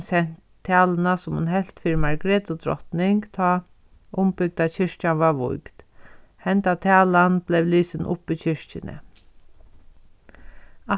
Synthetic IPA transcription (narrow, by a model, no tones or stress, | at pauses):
sɛn̥t̪ʰːæːlənasʊmhʊ̰nɦɛl̥t̪fiːɾmaɹɡɾeːt̪ʊd̪ɾɔ̰ht̪nɪŋkt̪ʰɔː | ʊmpʏɡ̚d̪at͡ɕɪɹt͡ʃanʋaɹʋʊ̰jkt̪hɛnt̪at̪ʰæːlanb̥lɛʋliːsɪnʔʊ̰piːt͡ɕʰɪɹcɪnʔə̰ | a